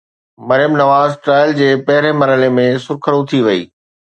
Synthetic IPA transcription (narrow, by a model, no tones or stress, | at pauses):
mɐɾɪjəmnɐʋaːzʈɾaːɪld͡ʑeːpɐɦɪɾemɐɾɦəlemẽsʊɾkʰəɽũt̪ʰiʋɐḭː